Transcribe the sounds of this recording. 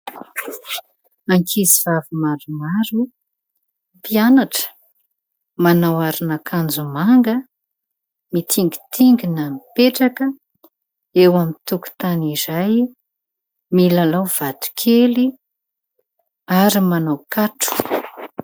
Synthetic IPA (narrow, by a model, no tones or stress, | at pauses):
aŋkʰizivavimaɾumaɾu | pianaʈ͡ʂə̥ | manawaɾinakʰand͡zumaŋɡə | mit̪ʰiŋɡi̥t̪ʰiŋɡinamipeʈ͡ʂakə | ewamit̪uku̥t̪anizaj | milalawv̥at̪u̥kʰeli | aɾimanawkaʈ͡ʂu̥